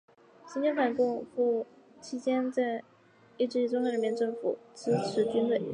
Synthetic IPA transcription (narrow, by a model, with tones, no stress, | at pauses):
ɕi˥t͡ɕɛ˥nfʰa˨˩nkʊ˥˧ŋfu˥˩ | t͡ɕʰi˥t͡ɕjɛ˥nt͡sa˥˧ɪ | i˥˧ʈ͡ʂɻ̩˥˩i˥˩t͡sʊ˥ŋxa˥˩ɻə˧˥˩mjɛ˥˧nʈ͡ʂɤ˥˩ŋfṵ˨˩˦ʈ͡ʂɻ̩˥ʈ͡ʂʰɻ̩˧˥t͡ɕy˥nwe˥˩ɪ